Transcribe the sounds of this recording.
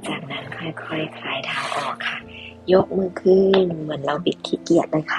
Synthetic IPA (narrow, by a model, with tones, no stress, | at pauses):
t͡ɕaː˨˩k̚na˦˥nkʰɔ˧˩jkʰɔ˧˩jkʰlaː˧˩jt̪ʰaː˧˩wʔɔː˨˩kʰːa˧˩ | jo˦˥k̚mɯː˧˩kʰɯː˧˩nmɯ˩˦ənla˧wpi˨˧˩t̪ʰːiː˧˩ki˨˩ət̪̚lɤː˧˦jkʰa˧˩